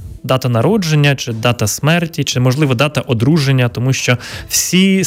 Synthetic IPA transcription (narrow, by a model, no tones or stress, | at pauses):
d̪ɑt̪ɐnɐɾɔd͡ʒenʲːɐt͡ʃɪd̪ɑt̪ɐsmɛrtʲit͡ʃɪmɔʒlˠɪʋɔd̪ɑt̪ɐʔɔd̪ɾuʒenʲːɐt̪ɔmuʃt͡ʃɔwsʲi